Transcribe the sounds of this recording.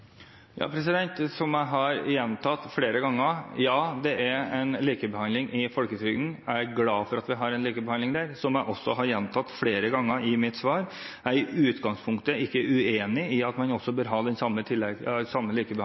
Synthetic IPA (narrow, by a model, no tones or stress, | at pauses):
jɑ̰ːpʰɾɛs̬ɪd̪ɛnt̪sɔmjæɪɦɑɾjɛnt̪ʰɑt̪ːfɽeːɾəɡɑŋːəjɑːd̪ɛʔæɾɛɪnliːkəbəhɑnlɪŋʔɪfɔlkət̪ʰyːɡn̩æɾɡlɑːfɔɾɑt̪ʋɪɦɑɾɛnliːkəbɛhɑndlɪŋd̪æːɾsɔmjæɪʔɔsːɔɦɑɾjɛnt̪ʰɑt̪ːfɽeːɾəɡɑŋːəɾɪmɪt̪sʋɑːɾ | æɾʉːt̪ɡɑŋspʰʊŋkt̪əɪkːəʔʉeːnɪɪɑt̪mɑnɔsːɔbøːɾɦɑːd̪ɛnsɑmːət̪ʰɪlːɛɡsɑmːəliːkəbə